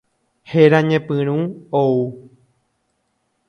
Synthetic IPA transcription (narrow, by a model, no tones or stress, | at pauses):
heɾãɲẽpɨ̃ɾ̃ũou